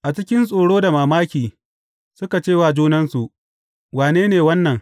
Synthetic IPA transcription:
ʔa˨t͡ʃɪ˦kʲɪ˦nsʼoː˨ɽoː˦da˨maː˨maː˦kʲiː˨ | sʊ˦ka˨t͡ʃeː˦waː˨d͡ʒuː˦nɐ˦nsu˨ʔ | waː˨neː˦neː˨wɐ˦nːɐ˨ŋ

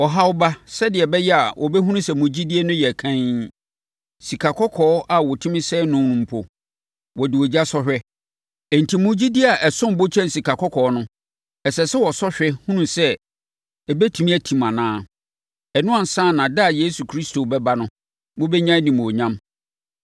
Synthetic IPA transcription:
wɔ˨ɦa˦wʊ˦ba˦sɛ˦dɪ˨ɛ˨bɛ˦jɛ˦a˨wʔɔ˨bɛ˦ɦũ˦nũ˦sɛ˨mʊ̃˨d͡ʑi˦di˦e˦nʊ̃˦jɛ˨kʰã˦ɲ | si˨kʰa˨kʰɔ˦kʰɔː˨˦ʔa˨wɔ˨tʰũ˦mɪ̃˦sɛ˦nʊ̃˦nũ˨m̩˨pʰɔ˨ | wɔ˨dɪ˨wɔ˨d͡ʑi˦a˦sɔ˦ɕᶣɛ˦ | ɛ˨n̩˨tʰi˨mʊ̃˦d͡ʑi˦di˦a˨ʔɛ˨sʊ̃˦m˨bo˦t͡ɕʰɛ̃˦n̩˨si˨kʰa˨kʰɔ˦kʰɔ˨˦nʊ̃˦ | ɛ˨sɛ˨sɛ˦wɔ˨sɔ˦ɕᶣɛ˦hũ˦nũ˦sɛ˦ | ɛ˨bɛ˦tʰũ˨mĩ˦æ˨tʰĩ˨mã˨nãː˦ | ɛ˨nʊ̃˦a˨n̩˨sãː˦˨nã˨da˦˨je˦su˨kʰɾi˦sto˨bɛ˦ba˦nʊ̃˦ | mʊ̃˦bɛ˦ɲã˦nĩ˨m˨ɔ˨ɲã˦m

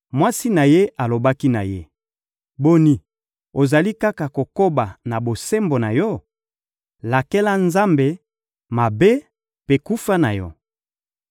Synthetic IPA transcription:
mwa˦si˦na˨je˦ʔa˨lo˨ba˦ki˦na̰˨je˦ | bo˦ni˨ | o˨za˨li˦ka˦ka˨ko˨ko˦ba˨na˨bo˨se˦mbo˨na˨jɔ˦ | la˨ke˦la˦nza˦mbe˨ | ma˨be˦ | pe˦ku˦fa˦na̰˨jɔ˦

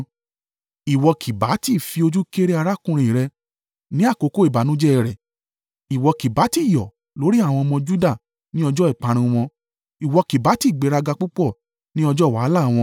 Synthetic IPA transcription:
i˨wɔ˧kʰi˨ba˨˦ti˦˨fi˧o˧d͡ʒu˦ke˦ɾe˦a˧ɾa˦kũ˧ɾ̃ĩ˨ɾɛ˧ | nĩ˦a˦˨ko˧˦ko˦i˨ba˨˦nũ˨˦d͡ʒɛ˦ɛ˨ɾɛ˨ | i˨wɔ˧ki˨ba˨˦ti˦˨jɔ̰˨ | lo˨˦ɾi˦a˦˨w̃ɔ̃˧mɔ̃˧d͡ʒu˦da˦˨ | nĩ˦ɔ˧d͡ʒɔ˦i˦˨k͡pa˨˧˦ɾ̃ĩ˧w̃ɔ̃˧ | i˨wɔ˧ki˨ba˨˦ti˦˨ɡ͡be˨˦ɾa˧ɡa˧k͡pu˦k͡pɔ˦˨ | nĩ˦ɔ˧d͡ʒɔ˦˨wa˨˦la˦˨w̃ɔ̃˧

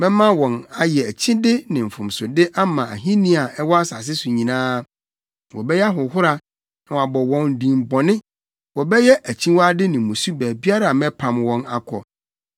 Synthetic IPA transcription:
mɛ̃˦mã˦wɔ̃˨na˨jɛ˨æ˨t͡ɕʰĩ˦dɪ˦nɪ̃˨m̩˨fʊ̃˨msʊ˨dɪ˦ʔa˦mã˨æ̰˨ɦĩ˦nĩ˦a˨ɛ˦wɔ˦a˦sa˨s̬ɪ˦sʊ˨ɲĩ˨nãː˦ | wɔ˨bɛ˦jɛ˦a˦ɦʊ˨ɦʊ˦ɾa˨ | nã˨a˨bɔ˨wɔ̃˨n˨dĩ˨mbɔ̃˨nɪ̃˦ | wɔ˨bɛ˦jɛ˦ʔæ˨t͡ɕʰĩ˦wa˦dɪ˦nɪ̃˨mũ˨su˦bæ˨bi˦a˦ɾa˨mɛ̃˦pʰã˨mwɔ̃˨na̰˨kʰɔ˨

